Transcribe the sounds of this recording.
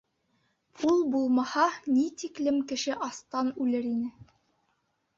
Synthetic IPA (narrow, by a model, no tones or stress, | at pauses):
pʰulˠbulˠmɑhɑnit̪iklɘmkɘ̆ʃɘʔɑst̪ɑnʉlɘɾinɘ